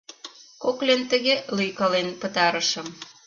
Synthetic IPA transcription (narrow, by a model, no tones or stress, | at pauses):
koklent̪ə̆ɣelyjkɑlenpə̆t̪ɑɾəʃə̆m